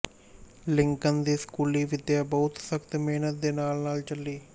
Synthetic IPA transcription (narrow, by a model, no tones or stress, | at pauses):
lɪŋkənd̪iːskuːliːʋɪd̪jaːbɐɦʊt̪sɐkt̪meːnət̪̚d̪eːnaːlnaːlt͡ʃɐlːiː